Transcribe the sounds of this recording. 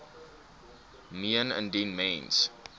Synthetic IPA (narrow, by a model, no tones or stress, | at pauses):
miənə̰̃ndinmẽns